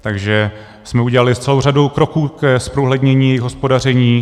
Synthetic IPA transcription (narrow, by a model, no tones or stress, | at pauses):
t̪aɡʒɛ | smɛuɟɛlalɪst͡sɛlowradowkɾo̞kuːkɛspɾoɦlɛdɲɛɲiːjɛjɪxɦospo̞dar̝ɛɲiː